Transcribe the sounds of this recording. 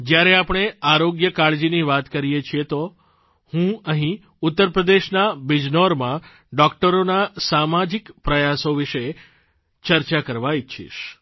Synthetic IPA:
d͡ʒjaɾeapɳ̃eaɾoɡjəkaɭd͡ʒiniʋat̪kəɾijet͡ʃʰijet̪o | hũəɦĩ | ʊt̪ːəɾpɾəd̪eʃnabid͡ʒnoɾmã | ɖɔkʈəɾonasamad͡ʒikpɾəjasoʋiʃe | t͡ʃəɾt͡ʃakəɾʋaiʃʰḭʃ

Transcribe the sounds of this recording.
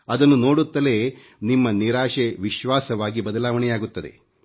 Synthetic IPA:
ɐd̪ɐnːuno̞ːɽut̪ːɐle̞ː | nimːɐniɾaːʂeʋiʃʋaːsɐʋaːɡibɐd̪ɐlaːʋɐɳɛjaːɡut̪ːɐd̪e̞̰

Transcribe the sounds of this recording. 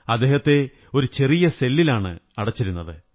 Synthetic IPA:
ɐd̪ːe̞ːhɐt̪ːe̞ | o̞ɾut͡ɕe̞rijɐse̞lːilaːɳɨ̰ɐɽɐt͡ɕːiɾunːɐðɨ

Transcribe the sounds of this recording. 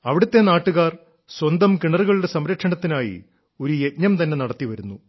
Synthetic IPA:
ɐʋiɽut̪ːe̞naːʈːuɣaːr | swɐnd̪ɐmkiɳɐruɣɐɭuɽe̞sɐmɾɐkʂɐɳɐt̪ːinaːjḭ | o̞ɾuje̞tɲɐmt̪ɐnːe̞nɐɽɐt̪ːiʋɐɾunːu

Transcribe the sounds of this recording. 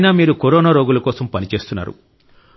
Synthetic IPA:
naːmiːɾukoɾɔːnaːɾoːɡulɐkɔːsɐmpɐnit͡ʃe̞ːst̪unːa̰ːɾṵ

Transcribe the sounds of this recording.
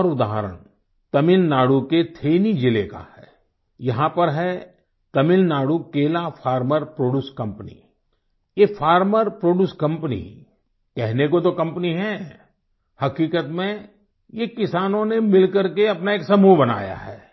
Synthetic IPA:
ɔːɾʊd̪aːɦəɾə̰ɽ̃ | t̪ɐmɪlnaːɽuket̪ʰeːnid͡ʒɪleka̰hɛ̰ː | jɐɦãpɐɾɦɛ | t̪ɐmɪlnaːɽukeːlapʰaːɾməɾpɾoːɖjuːskɐ̃mpənḭ | jefʰaːɾməɾpɾoːɖuːskɐ̃mpənḭ | kɛɦnekot̪okɐ̃mpniɦɛ | hɐkiːkət̪mẽ | jekɪsaːnõnemɪlkɐɾkeɐpnaeːksɐmuɦbɐna̰ːja̰ɦɛ̰ː

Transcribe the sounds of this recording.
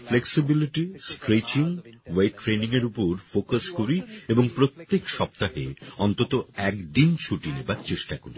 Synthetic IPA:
fleksibiliʈisʈɾet͡ɕiŋwejʈːɾeniŋeɾupoɾfokaskoɾieboŋpɾot̪ːekʃɔp̚t̪aɦeɔnt̪ot̪oɛkd̪int͡ɕʰuʈinebaɾt͡ɕeʃʈakoɾi

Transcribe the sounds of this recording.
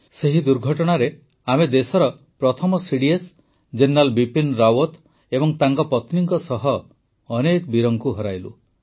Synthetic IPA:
seɦid̪uɾɡʱɔʈɔɽ̃aɾe | amed̪esɔɾɔ | pɾɔt̪ʰɔmɔsiɽies | d͡ʒenɾalbipinɾawɔt̪ | ebɔŋt̪aŋkɔpɔt̪niŋkɔsɔɦɔː | nekbiɾɔŋkuɦɔɾajlṵ

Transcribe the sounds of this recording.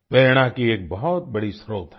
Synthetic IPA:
peːɽ̃ãkieːk̚bɐɦɔt̪̚bɐɽisɾoːt̪ɦɛ

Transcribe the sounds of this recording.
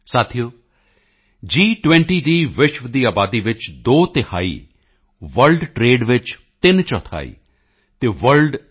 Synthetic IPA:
saːt̪ʰijoː | d͡ʒiːʈʋɛ̃ɳʈiːd̪iːʋɪʃʋd̪iːaːbaːd̪iːʋɪt͡ʃd̪oːt̪ɪha̰ːḭː | ʋəɾlɖʈɾeːɖʋɪt͡ʃ | t̪ɪnt͡ʃɔːt̪ʰa̰ːḭː | t̪eːʋəɾɖ

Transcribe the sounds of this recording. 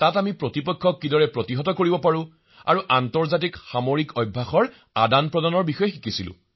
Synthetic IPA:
tatamipɹotipɔkʰːɔkːidɔɹɛpɹotiɦɔtɔkoɹibɔpaɹʊ̃ | a̰ɹuʔantɔɹzat̬ikxamoɹikɔjbʱːaxɔɹ | adanpɹɔdanɔɹbixɔjɛxikisilʊ̰̃

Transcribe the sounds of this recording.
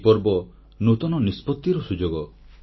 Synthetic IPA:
pɔɾbɔ | not̪ɔnɔnispɔt̪ːiɾɔsud͡ʒoɡɔ

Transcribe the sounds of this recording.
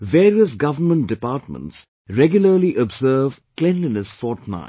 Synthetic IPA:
ʋeːɾiəsɡʌʋəɾmə̃nt̚dɪpaːʈmə̰̃nʈs | ɾɛɡjʊləɾliʔɔbzəːvklɛ̃ndənəsfɔːʈna̰ɪ

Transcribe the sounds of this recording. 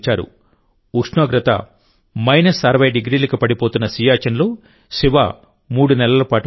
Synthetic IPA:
t͡ʃaːɾṵ | ukʂɳoːɡɾɐt̪ɐ̰ | mɐjnɐsɐɾɐʋɐjɖiɡɾiːlɐkipɐɽipoːt̪unːɐsiːjaːt͡ʃɐnlo̞ː | ʃiʋa̰ː | muːɽunɛlɐlɐpaːʈu

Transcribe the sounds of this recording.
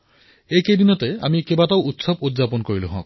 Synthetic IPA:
ejkejdinɔtɛa̰mikebataʊutsɔbutzapɔnkoɹiluɦɔ̰̃k̚

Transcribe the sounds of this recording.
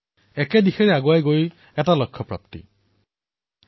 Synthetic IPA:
ɛkedixeɹeaɡwajɡoj | ɛtalɔkʰːɔpɹa̰p̚tḭ

